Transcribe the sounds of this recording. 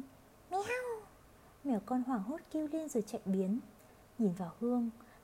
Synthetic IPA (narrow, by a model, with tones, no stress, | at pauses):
mi˧˦ha˧w | mɛ˧˩kɔ˧nhwaː˨˩ŋɦo˦˥t̚ki˧əwli˧ənzɨ˨˩t͡ɕa̰˧˨jŋɓi˨˦ən | ɲi˧˩nvaː˨˩whɨ˧əŋ